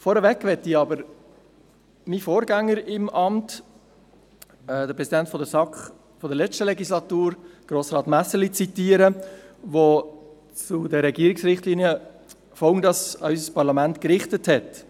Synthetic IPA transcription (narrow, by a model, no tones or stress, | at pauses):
fɔːɾəʋɛkːʋɛtiɑbəɾ | mifoːɾɡæŋːəɾɪmʔɑmt | ɛd̪əpɾɛsidæntfɔdəsɑkχ | fɔdəɾlɛt͡ʃtəlɛɡislɑtuːɾɡ̥ɾoːsɾɑːt̪mæsəlit͡sitiːəɾəʋo | t͡sʊdɛɾːɛɡiəɾɪksɾɪχtlinjə | fɔʊndɑsœʏs̬əspɑɾlɑmæntkɾɪχtəthɛt